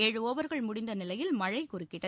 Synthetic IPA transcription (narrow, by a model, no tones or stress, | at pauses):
eːɻɯoːʋɐɾɣɐɭmʊɽɪnd̪ɐnɪlɐjɪlmɐɻɐɪkʊrɪkːɪɽɐ